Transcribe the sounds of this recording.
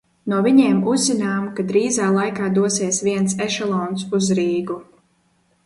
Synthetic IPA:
nuɔvʲiɲeːmuzːinaːmkad̪ɾiːzaːlˠajkaːd̪uɔsiɛsviɛnsɛʃɛlˠɔːnsuzɾiːɡu

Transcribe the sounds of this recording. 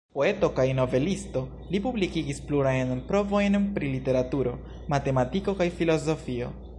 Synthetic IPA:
po̞e̞to̞kajno̞ve̞listo̞ | lipublikiɡispluɾajnpɾo̞vo̞jnpɾilite̞ɾatuɾo̞ | mate̞matiko̞kajfilo̞zo̞fio̞̰

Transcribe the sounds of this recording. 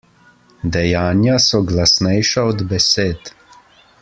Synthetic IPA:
d̪ɛjaːnjasɔɡlasnɛjʃaɔd̪bɛseːt̪

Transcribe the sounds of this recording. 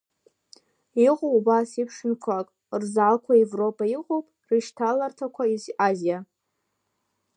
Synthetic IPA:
iqʼoubasipʰʂɨnkʷʰakʼ | rzalkʷʰaevro̞pʰaiqʼowpʼriʃtʰalartʰakʷʰaizʔazija

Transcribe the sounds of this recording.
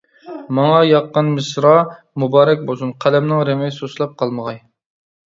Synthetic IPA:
mɑŋɑjɑqːənmɨsɾɑ | mubɑːɾɛk̚ʲbosunqʰælɛmnɪŋɾemɪjsoslˠɑp̚qʰɑlˠməʁɑj

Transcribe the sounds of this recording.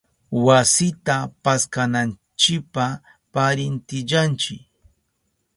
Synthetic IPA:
wasɪt̪apaskanan | t͡ʃɪk̚pa | paɾɪnt̪ɪʎant͡ʃɪk

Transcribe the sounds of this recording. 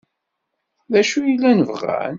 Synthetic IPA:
ðæʃujilːænəvʁæ̰n

